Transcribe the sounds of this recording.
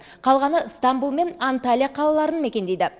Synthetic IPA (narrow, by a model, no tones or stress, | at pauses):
qʰɑlˠʁɑnəst̪ambulˠme̞nant̪alʲijaqʰɑlˠɑlˠɑɾənme̞kʲe̞nd̪ejd̪ɪ